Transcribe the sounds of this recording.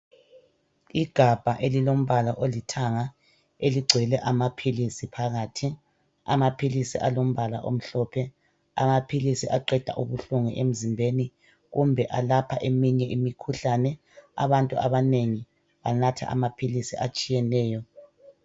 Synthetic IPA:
iɡ̥ʱab̥ʱaʔelilom̩βalaʔolitʰaŋa | eliɡ͡ǀʱwɛlɛʔamapʰilisipʰaɣaːtʰi | a̰mapʰilisḭʔalom̩βala̰ʔo̰m̩ɬɔpʰɛ | a̰mapʰilisiʔaǃɛd̥ʱa̰ʔuβuɬuŋiʔem̩zimbʱeni | ɣumbʱɛʔalapʰaʔemiɲɛʔimikʰuɬanɛ | a̰βantʼua̰βaneŋi | βanatʰa̰ʔa̰mapʰilisiʔat͡ʃʼijɛnɛːjɔ

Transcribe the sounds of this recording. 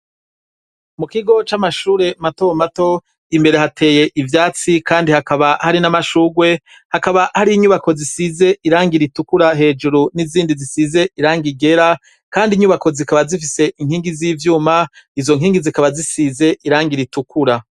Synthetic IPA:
mukiɡo̞t͡ʃamaʃuːɾe̞mato̞mato̞ | imbe̞ɾe̞ɦatʰe̞ːje̞ʔivjaːt͡sikaːndihakaβahaɾinamaʃuɡwe̞ | hakaβahaɾiiɲuːβako̞zisize̞ʔiɾaːŋɡiɾitukuɾaɦe̞ːd͡ʒuɾuniziːndizisize̞iɾaːŋɡiɡe̞ɾa | kaːndiɲuβako̞zikaβazifise̞ʔiŋhiːŋɡiziːvjuːmaizo̞ŋɦiːŋɡizikaβazisize̞ʔiɾaːŋɡiɾitukuɾa

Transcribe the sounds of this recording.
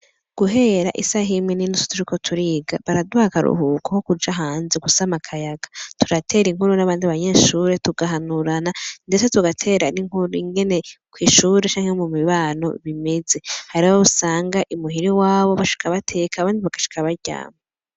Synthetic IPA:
ɡ̥uɦe̞ɾa̰ʔisaɦimwininuso̥tʰuɾiko̞tʰuɾiːɡaβaɾaduhakaɾṵhuːkoko̞kud͡ʒaɦaːnzeɡusamakʰajaɡḁtʰuɾatʰe̞ːɾiŋhuɾunaβaːndiβaɲe̞ːʃuːɾe̞tuɡaɦanuɾanandet͡setuɡatʰe̞ːɾaniŋhuɾuiŋɡe̞ne̞kwiːʃuːɾe̞t͡ʃaːŋhemumiβaːno̰βime̞ze̞haɾiβwousaːŋɡaʔimuɦiɾiwaːβo̞βaʃi̥kʰaβatʰe̞kaːβaːndiβaɡ̥aʃi̥kʰaβaɾɟa̰ːma

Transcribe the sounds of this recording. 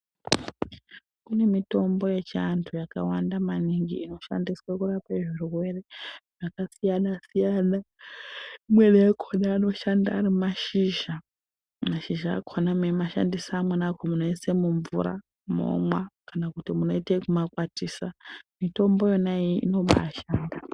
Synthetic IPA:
kune̞mito̞mbo̞je̞t͡ʃiantʰujakawandamaniŋɡiːno̞ʃa̰ndiswakurapeʐirurwe̞re̞ʐ̥akasijanasijana | imweneakʰonaːno̞ʃanda̰ːɾimaʃiʒa | maʃiʒa̰ːkʰonamemaʃa̰ndisaːmwenakomunoisemuɱvṵɾa̰ | mo̰mwakanakutimuno̞itekumakwatiːsamito̞mbo̞jonaiḭno̞ɓa̰ːʃaːnda

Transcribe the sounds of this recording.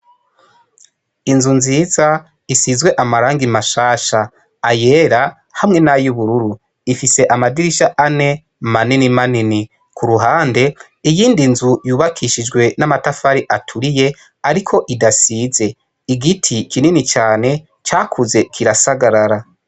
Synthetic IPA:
inzunziːza | isizwe̞ʔamaɾaːŋɡimaʃaːʃaː | je̞ːɾa | hamŋe̞najuβuɾuɾu | ifise̞ʔamadiɾiʃaʔane̞ | maninimanini | kʰuɾuɦaːnde̞ | ijiːndinzujuːβakʰiʃid͡ʒɡwe̞namatafaɾiʔatʰuɾije̞ | aɾikʰo̞ʔidasize̞ | iɡitʰikʰininit͡ʃaːne̞ | t͡ʃaːkʰuze̞kʰiɾasaɡaɾaɾa

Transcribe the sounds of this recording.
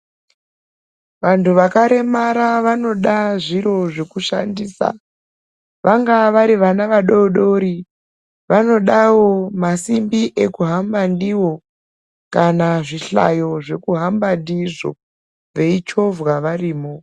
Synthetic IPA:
ʋantʰuʋakaɾe̞maɾaʋano̞ɗaʐiɾo̞ʐe̞kuʃa̰ndiːsa̰ | ʋaŋɡaʋaɾiʋanaʋaɗo̞ɗo̞ɾi | ʋano̞ɗawo̞masimbiʔe̞kuɦambandiwo̞ | kanaʐiɬa̰jo̞ʐe̞kuɦambandiʐo̰ | ʋe̞it͡ʃo̞vwaʋariːmo

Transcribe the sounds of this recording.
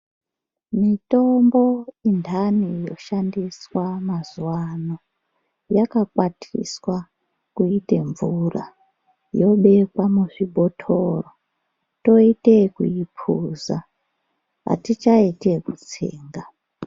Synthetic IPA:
mito̞mbo̞indʱanijo̞̰ʃandiswamazuwano | jakakwatʰḭswa | kuite̞ɱvura̰ | jo̞ɓe̞kwamuʐibʱo̞tʰo̞ro | to̞ite̞kuipʰuza | ɦa̰tit͡ʃaite̞kut͡sḛːŋɡa

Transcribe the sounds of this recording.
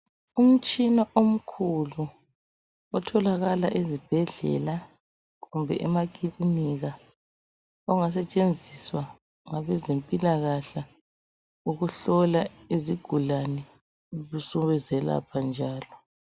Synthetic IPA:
um̩t͡ʃʼinaʔom̩kʰulu | ɔtʰɔlaɣalaʔezib̥ʱɛɮɛ̰la | ɣumbʱɛʔɛmak̬ʼiliniɣa | ɔŋas̬ɛt͡ʃʼend͡zʱiswa | ŋaβɛzempʼilaɣaɬa | uɣuɬɔla | iziɡ̥ʱulanɛ | ɣusuβɛzɛla̰pʰand͡ʒʱaːlɔ

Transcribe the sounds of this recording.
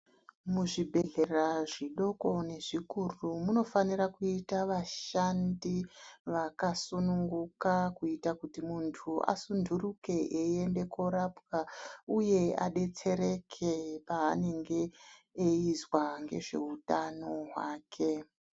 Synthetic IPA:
muʐibʱe̞ɮe̞raʐiɗo̞ko̞ne̞ʐikurumuno̞fanirakuitaʋaʃandiʋakasunuŋɡukakuitakutimuntʰuʔa̰sundʱuruke̞ʔeende̞ko̞ɾapɡauje̞a̰ɗe̞t͡se̞ɾe̞kʰepaːne̞ŋɡe̞ː | izwaŋɡe̞̰ʐe̞utano̞ɦwaːkʰe̞

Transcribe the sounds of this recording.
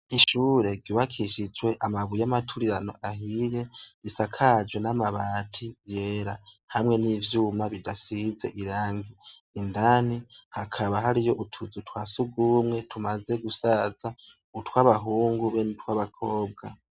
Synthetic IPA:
iʃuːɾe̞ɡɟuβakʰiʃid͡ʒwe̞ʔamaβujamatʰuɾiɾano̞ʔaɦije̞ɾisakʰad͡ʒwe̞namaβaːtʰije̞ːɾa | hamŋe̞niːvjuːmaβidasize̞̰ʔiɾaːŋɡiː | ndanihakʰaβaɦaɾijo̞ʔutʰuzutwaːsuɡumŋe̞tʰumaze̞ɡusaza | utwaβaɦuːŋɡuβenutwaβakʰo̞ːbɡa̰

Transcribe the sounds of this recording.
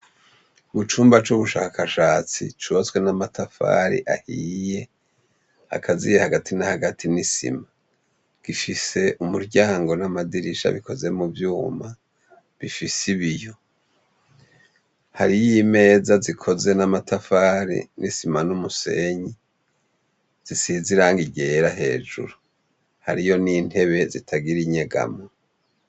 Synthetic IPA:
ɡut͡ʃuːmbat͡ʃuβuʃaːkʰaʃaːt͡sḭt͡ʃuβat͡swe̞namatʰafa̰ːɾḭʔa̰hije̞ | ha̰kʰazḭjehaɡatʰinahaɡatʰinisḭma | ɡ̥ifise̞ʔumuɾɟaːŋɡo̞namadiɾiʃa̰βiko̞ze̞muvjuːma | βifisiβijo̞ | haɾijime̞ːzazikʰo̞ze̞namatʰafaːɾḭnʔisimanumuse̞̰ɲi | z̥isiziɾaŋɡiɟe̞ɾaɦe̞̰ːd͡ʒṵɾu | haɾijo̞niːn̥he̞βe̞zitʰaɡiɾiɲe̞ɡa̰mo

